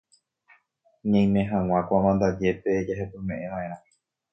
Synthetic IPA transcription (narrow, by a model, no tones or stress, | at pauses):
ɲãj̃mẽɦãŋw̃ʷãkʷamãnd̪ad͡ʒe̞pe̞d͡ʒaɦepomẽ̞ʔẽʋãʔẽ̞ɾã